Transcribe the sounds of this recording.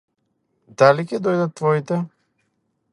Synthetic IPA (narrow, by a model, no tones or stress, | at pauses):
d̪alicɛd̪ɔjd̪at̪ːvɔit̪ɛ